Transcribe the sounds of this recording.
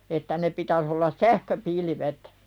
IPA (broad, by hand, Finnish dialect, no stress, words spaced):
etːæ ne pitæs olːɑs sæhkøpilʋet